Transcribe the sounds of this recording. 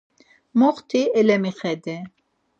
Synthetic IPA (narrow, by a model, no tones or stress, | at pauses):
moχt̪ʰiɛlɛmiχɛd̪ɛ